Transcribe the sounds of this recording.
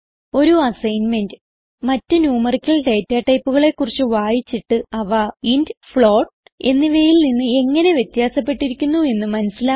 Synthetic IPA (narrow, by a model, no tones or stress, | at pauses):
o̞ɾuɐsɐjnme̞ndɨ | mɐtːɨnjuːmɐrikʲːɐɭɖe̞ːtːaːʈːɐjpːuɣɐɭe̞kːurit͡ɕːɨʋaːjit͡ɕːiʈːɨɐʋaindfɭo̞ːʈ | e̞nːiʋejilninːɨe̞ŋːɐne̞ʋje̞t̪jaːsɐpːe̞ʈːiɾikʲːunːue̞nːɨmɐnɐsila